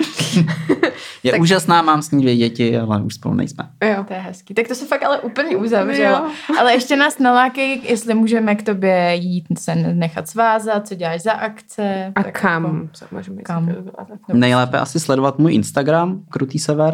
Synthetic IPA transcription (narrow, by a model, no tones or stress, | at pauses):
jɛuːʒasnaːmaːmsɲiːvjɛɟɛcɪalɛʔuʃspo̰lṵnɛ̰jsmɛ̰jot̪ojɛɦɛskiːt̪ak̚t̪osɛfakalɛʔuːpl̩ɲɛʔuzavrɛloʔalɛʔɛʃcɛnaːsnalaːkɛjjɛst̪lɪmuːʒɛmɛkt̪o̞bjɛjiːt̪sɛnɛxat̪svaːzat̪̚t͡soɟɛlaːʃzaʔakt͡sɛat̪akamzama̰ʒumkamt̪nɛjlɛːpɛʔa̰sɪslɛdovat̪muːjʔɪnst̪aɡɾamkɾut̪iːsɛvɛɾ